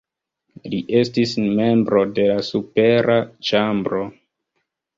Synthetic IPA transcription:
liʔe̞stisme̞mbɾo̞de̞lasupe̞ɾʔat͡ʃambɾo

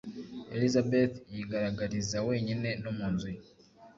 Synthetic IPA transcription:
elizabet̪jiɡaɾaɡaɾizawe̞ːɲine̞nomunzi

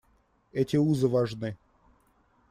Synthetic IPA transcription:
ɛtʲɪuzɨvɐʐnɨ

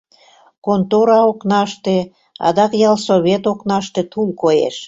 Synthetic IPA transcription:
kont̪oɾɑoknɑʃt̪e | ɑ̰d̪ɑkjɑlsoβʲet̪oknɑʃt̪et̪ulkojḛʃ

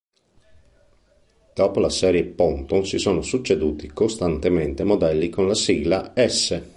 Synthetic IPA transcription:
d̪̥ɔːpolasɛːɾjepɔnt̪oŋsisɔːnosut͡ʃːed̪uːt̪ikost̪ant̪ement̪emod̪ɛlːikonlasiɡlaɛsːe

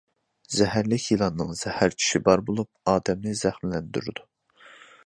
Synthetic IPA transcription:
zɛɦæɾlɪkʲʰilˠɑnːɨŋz̥ɛhæɾt͡ʃʰi̥ʃibɑɾbolˠup̚ɑːd̪ɛmnɪzæχmlɛnd̪y̰ɾd̪u

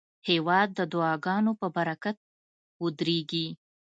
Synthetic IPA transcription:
hewɑd̪̚ːəd̪ʊɑɡɑnopəbaɾakat̪̚ | ud̪ɾeɡi

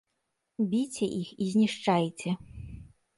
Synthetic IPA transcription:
bʲit͡sʲɛʔixizʲnʲiʂt͡ʂajt͡sʲɛ

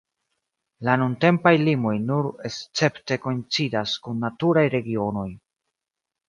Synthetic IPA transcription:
lanunte̞mpajlimo̞jnuɾe̞st͡se̞pte̞ko̞int͡sidaskunːatuɾajɾe̞ɡio̞no̞j

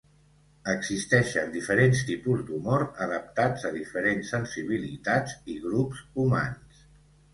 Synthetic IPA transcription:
əɡzist̪ɛʃənd̪ifəɾenst̪ipuzd̪umoɾəðəp̚t̪ad͡zəðifəɾensːənsiβ̞ilit̪ad͡ziɣɾupzuma̰ns

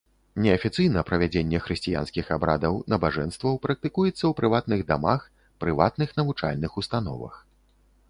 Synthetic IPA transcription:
nʲɛɐfʲit̪sɨjnɐpɾɐvʲad͡zʲenʲːɛxɾɨsʲt͡sʲija̰nskʲixabɾa̰d̪ɐwnɐbaʐɛnst̪vɐwpɾɐk̚t̪ɨkujɛt̪sːɐwpɾɨvat̪̚nɨɣd̪ama̰x | pɾɨvat̪̚nɨxnɐvut͡ʂa̰lʲnɨxust̪anɔ̰vɐ̰x

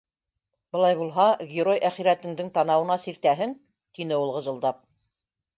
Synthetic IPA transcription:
bɤ̆lˠɑjβulˠɦɑɡʲeɾojʔæχiɾæt̪ɘ̆ŋd̪ɘŋt̪ɑnɑwɤ̆nɑsiɾt̪æɦɘŋ | t̪inɘulˠʁɤ̆zɤ̆lˠd̪ɑp̚

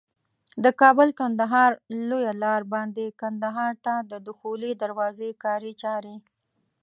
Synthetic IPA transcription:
d̪əkɑbəlkand̪aɦɑɾlojalɑɾbɑnd̪ekand̪aɦɑɾt̪ad̪əd̪ʊxolid̪aɾwɑzekɑɾet͡ʃɑɾe

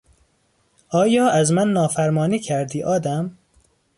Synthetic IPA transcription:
ɒːjɒːʔæzmænːɒːfæɾmɒːniːcʰæɾd̪iːʔɒːd̪æm

